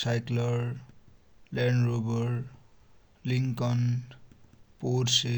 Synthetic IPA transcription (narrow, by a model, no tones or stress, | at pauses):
sajklʌɾ | lɛɳrobʌɾ | liŋkʌn | porse